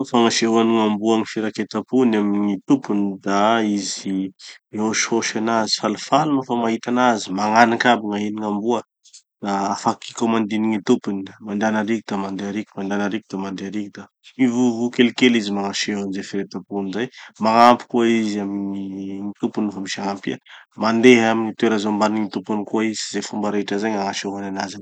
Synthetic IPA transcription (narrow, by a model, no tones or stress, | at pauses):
faŋaʃeɦaniŋambuaŋifeɾaket̪apunamiŋit̪upund̪aizimioʃoʃanazi̥falufaluməfamaɦit̪anazimaŋanakabiŋainiŋambuə | d̪aafaki̥kamand̪iniŋit̪upunmand̪anaɾikid̪̥amand̪eaɾiku̥mand̪anaɾikud̪̥amand̪eaɾikid̪a | ivuvukelikelizimaŋaʃeɦanizefeɾet̪apunzajmaŋampi̥kuaizamiiŋit̪upinufamiʃaŋampiamand̪eɦaminit̪ueɾazombaniŋit̪upunikuaizizefumbaɾaiʈ͡ʂazaɲaŋaʃeɦananaza